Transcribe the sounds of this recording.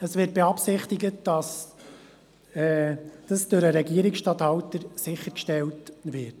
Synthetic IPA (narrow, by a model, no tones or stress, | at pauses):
əsʋɪːt̚b̥eɑpsɪχt̪ɪɡət̚d̥ɑs | ɛd̥ɑsd̥ɵɾəɾɛɡiːəɾɪksʃtɑthɑwtəɾsɪχːəɾkʃtɛltʋɪt